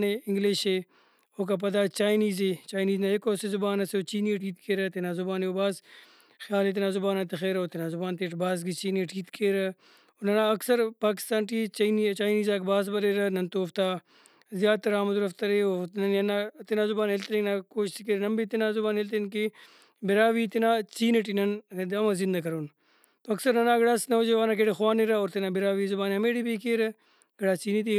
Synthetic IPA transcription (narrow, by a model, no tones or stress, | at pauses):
neɪŋɡliːʃeː | oːk̬ap̬ɐd̪aːt͡ʃaːjniːzeːt͡ʃaːjniːznaekoːsezʊbaːnɐseoːt͡ʃiːniʈiːt̪keːɾɐt̪enaːzʊbaːneobaːz | xjaːlet̪̬ɪnaːzʊbaːnat̪exeːɾoːt̪ɪnaːzʊbaːnt̪eːʈbaːs̬ɡit͡ʃiːniʈʰiːt̪keːɾɐ | onɐnaɐksɐɾpaːk̬ɪ̥st̪aːnʈiːt͡ʃːnit͡ʃaːjniːzaːkbaːs̬bɐɾeːɾɐnɐnt̪oːft̪aː | zjaːd̪̚t̪ɐɾaːmɐzuɾɐft̪ɐɾeːoːnɐnɐnaːt̪ɪnaːzʊbaːnɦelt̪ɾinaːkoːʃskeːɾnɐmbiːt̪inaːzʊbaːnɦelt̪enki | bɪɾaːʋiːt̪inaːt͡ʃiːneʈ̬inɐnd̪ɐmɐzɪnd̪ɐkɐɾoːn | t̪oɐksɐɾnɐnaːɡɐɽaːsnɐod͡ʒɐʋaːnak̬eːʈexwaːneɾaoːɾt̪inaːbɪɾaːʋiːzʊbaːnɐmeːɽiːbiːkeːɾ | ɡɐɽaːt͡ʃiːnit̪i